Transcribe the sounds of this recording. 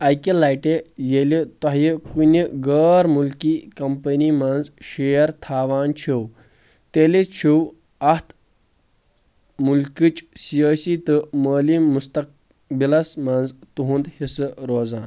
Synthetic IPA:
ɐjkilajʈejelit̪aɦjikunʲiɡəːɾmulkikɐmpənimanzɕejɐɾt̪ʰaːʋaːnt͡ʃʰiw | t̪elet͡ʃʰiw | ɐht̪ʰ | mulkit͡ʃsijəːsit̪ɨməːlimust̪ɐk̚ | bilɐsmand͡zt̪uɦũnd̪hisɨɾoːzaːn

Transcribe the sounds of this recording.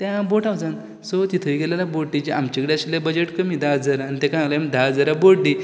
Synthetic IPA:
t̪jãboʈawd͡zan | sot̪it̪ʰəiɡelalaboɽʈid͡ʑiamt͡ɕikəɽeaɕlabəd͡ʑeʈkəmiːd̪ad͡zəɾaːnit̪ẽkaãŋlamd̪ad͡zəɾaboɽɖi

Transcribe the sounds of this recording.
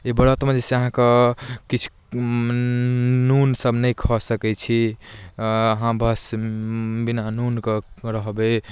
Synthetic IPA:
ebəɽət̪mẽd͡ʒeseəɦãkekit͡ʃʰu̥ | unsəbnəjkʰɔsəkɛt͡ʃʰi | əɦãbʱəs | binanunkeɾəɦbe

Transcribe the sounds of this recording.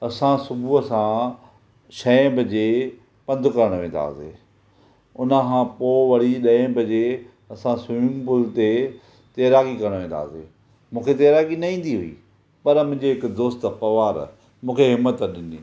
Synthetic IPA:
ɐsãsʊbʱuɐsã | ʃɐ̃bʱɐd͡ʑe | pɐ̃nd̪ʱkɐɾəɽ̃ʋẽːnd̪a̰ːsḛː | ʊnəkʰãpoːʋɐɽ̤iɗɐẽbʱɐd͡ʑe | ɐsãsʊjũːmpʊlt̪e | t̪eːɾaːɡikɐɾəɽ̃ʋẽːnd̪a̰ːsḛː | mũːkʰet̪eːɾaːɡinɐĩːn̆d̪iɦʊḭ | pɐɾmʊ̃ɲd͡ʑiɦɪkd̪oːst̪pɐʋaːɾ | mũːkʰeɦɪmːət̪ɗɪniː

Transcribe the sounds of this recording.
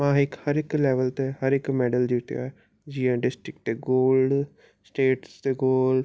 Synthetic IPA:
mãːɪkhəɾɪklɛːʋəlt̪ehəɾɪkmɛːɖəld̪ɪt̪ja̰ɛ | d͡ʒiːãːɖɪsʈɾɪk̚ʈt̪eːɡoːlɖ | sʈeːʈst̪eɡoːl

